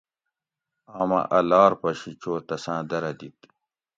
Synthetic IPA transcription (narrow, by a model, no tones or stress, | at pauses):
aːmɐ̰̃ʔɐlaːɾpɐɕit͡ɕoːt̪ɐsãːd̪ɐɾɐd̪it̪